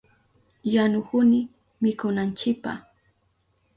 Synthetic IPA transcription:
janʊkʊnɪ | mɪkʊnant͡ʃɪk̚pa̰h

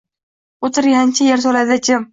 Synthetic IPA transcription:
ot̪ʰɪɾjant͡ʃʰajaɾs̬ɒlad̪at͡ʃʰɪm

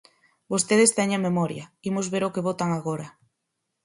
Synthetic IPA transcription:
bost̪eðest̪ɛɲememɔɾjɐimozβeɾokeβot̪aŋaɣoɾɐ

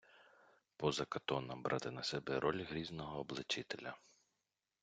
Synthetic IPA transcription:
pɔzɐkɐt̪ɔnɐmbɾʔɑ̰t̪ɪnɐsɛbɛɾʔɔlʲɦɾʲiznɔɦɔːblˠɪt͡ʃɪt̪elʲɐ

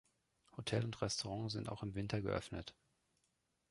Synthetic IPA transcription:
hotʰɛlʊntʁɛstoʁɑ̃ːzɪnta̰ʊxɪmvɪntʰɐɡə̰ʔœ̰fnət

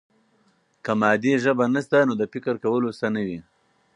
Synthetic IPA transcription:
kəmɑːd̪eʒəbanast̪anod̪əfɪkəɾkawəlosanəwi

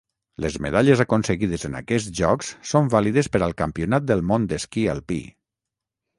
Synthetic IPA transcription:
lezmḛðaʎəzakonsəɣiðəzəna̰kɛsʒɔkssombaliðəspəɾalˠkampiunat̪̚d̪əlˠmond̪əskia̰lˠpḭ

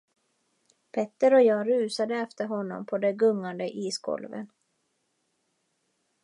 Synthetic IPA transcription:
pʰɛt̪ːəɾɔjɑːɾʉ̟ːsad̪əɛft̪əɾɦɔnːɔ̰mpʰɔd̪ɛɡɵŋːand̪əʔiːsɡɔ̰lvə̰n

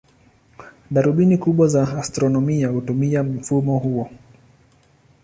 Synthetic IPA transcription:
ɗaɾuɓinikuɓwazaːstɾɔnɔmiahutumiam̩fumɔhuɔ

